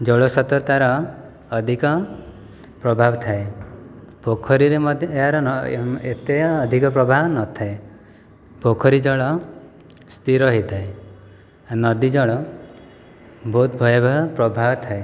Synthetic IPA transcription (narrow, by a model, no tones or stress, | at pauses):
d͡ʒɔɭosɔt̪ɔɾt̪aɾɔː | d̪ʱikɔ | pɾɔbʱabɔt̪ʰae | bʱokʰɔɾiɾemɔd̪ʱjeɦaɾɔnɔet̪eːd̪ʱikɔpɾɔbʱawɔnɔt̪ʰae | bʱokʰɔɾid͡ʒɔɭɔ | st̪iɾɔɦid̪ae | anɔd̪id͡ʒɔɭɔ | bʱot̪̚bʱɔjɔbapɾɔbʱabɔt̪ʰae